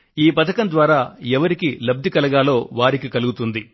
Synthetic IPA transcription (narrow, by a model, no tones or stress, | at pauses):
iːpɐt̪ʰɐkɐnd̪ʋaːɾaːɛʋɐɾikilɐb̚d̪ʱikɐlɐɡaːlo̞ːʋaːɾikikɐluɡut̪und̪i